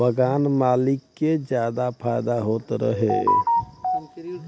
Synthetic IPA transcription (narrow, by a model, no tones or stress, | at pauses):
bəɡaːnmaːlɪkːed͡ʒjad̪apʰajd̪aɦoːt̪ɾə̰ɦḛ